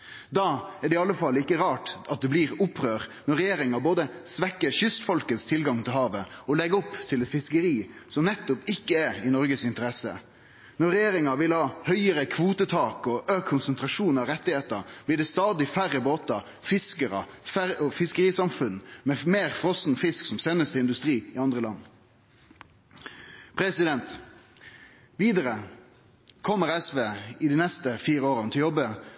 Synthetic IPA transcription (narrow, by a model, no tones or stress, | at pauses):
d̪ɑæɖɛɪɑlːəfɑlːəɪkːəɾɑːʈɑt̪̚d̪ɛbliɾʊpːɾøːʁnɔɾːɛjeːɾɪŋɑboːd̪əsʋɛkːəçʏst̪fɔlkət̪st̪ʰɪlɡɑŋt̪ʰɪlɦɑːʋəɔlɛɡəɔpːt̪ʰɪlɛt̪fɪskəɾiːsɔmnɛt̪ːʊpɪkːəæɾɪnɔɾɡəsɪnt̪əɾɛsə̰ | nɔɾːɛjeːɾɪŋɑʋɪlhɑːhœʏəɾəkʰʋuːt̪ət̪ʰɑːkɔøːkʰːʊnsənt̪ɾɑʂuːnɑɾɛt̪ːɪheːt̪əɾb̥lɪːɖɛːst̪ɑːd̪ɪfæʁːəboːt̪ɑ | fɪskəɾɑ̰ | fæɔfɪskəɾiːsɑmfʉnmɛmeːʁfʁɔsn̩fɪsksɔmseːnəst̪əɪnd̪ʉst̪ɾiːɪɑnd̪ʁəlɑ̰nː | pʰɾɛsɪd̪ɛnt̪ | ʋiːd̪əɾə | kʰɔmːəɾɛsʋeːɪd̪iːnɛst̪əfiːɾəoːʁənət̪ʰɪljɔbːə